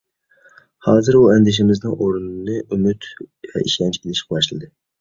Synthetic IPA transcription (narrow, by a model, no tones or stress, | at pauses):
hɑːzɨɾuɛnd̪ɪʃ̬ɪmɪznɪŋʔoɾunnɨʔymyt̪vɛ̰ʔiʃɛnt͡ʃelɪʃqʰwɑʃlˠɨd̪ɨ